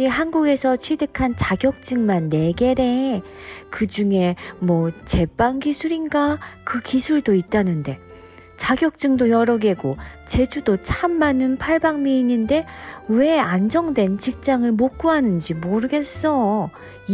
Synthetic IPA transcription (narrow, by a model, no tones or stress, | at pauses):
iɦanɡuɡe̞sʰʌt͡ɕʰɥide̞kʰant͡ɕaɡjʌk̚t͡ɕ͈ɯŋmanːe̞ɡe̞ɾe̞ | kɯd͡ʑuŋe̞mwʌt͡ɕe̞paŋɡisʰuɾinɡakɯkisʰuɭdoit̚t͈anɯnde̞ | t͡ɕaɡjʌk̚t͡ɕ͈ɯŋdojʌɾʌɡe̞ɡot͡ɕe̞d͡ʑudot͡ɕʰamːanɯnpʰaɭbaŋmiːnɯnde̞we̞and͡ʑʌŋdwe̞nt͡ɕik̚t͡ɕ͈aŋɯɭmok͈̚uɦanɯnd͡ʑimoɾɯɡe̞s͈ʌ